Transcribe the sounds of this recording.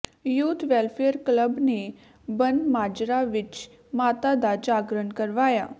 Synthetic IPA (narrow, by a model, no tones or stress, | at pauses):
jut̪ʋɛlfeəɾkləbne | bənmad͡ʒɾaʋɪt͡ʃ | mat̪ad̪ad͡ʒaɡɾənkəɾʋaja